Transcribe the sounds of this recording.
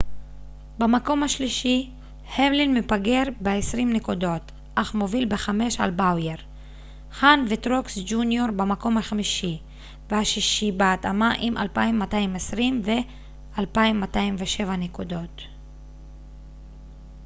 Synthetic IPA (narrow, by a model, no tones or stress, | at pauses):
bemako̞mhaʃliʃi | hevlinmepaɡe̞ʁbeesʁimnekudo̞t | ʔaχmo̞vilbeχame̞ʃa̰lbawjeʁ | χanvetʁoksd͡ʒunjoʁbemako̞mhaχamiʃi | vehaʃiʃibeatamaʔimʔa̰lpajimːataimesʁimve̞ | ʔalpaimːataimveʃe̞vanekudo̞t